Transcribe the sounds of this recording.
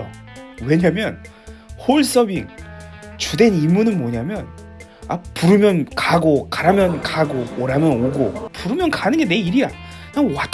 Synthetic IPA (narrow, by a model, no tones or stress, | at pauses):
o̰we̞ɲamjʌn | hoɭs͈ʌbiŋ | t͡ɕude̞nimːunɯnmʌɲamjʌn | a̰puɾɯmjʌnkaɡokaɾamjʌnkaɡooɾamjʌnoɡopuɾɯmjʌnkanɯnɡe̞ne̞iɾija | nawat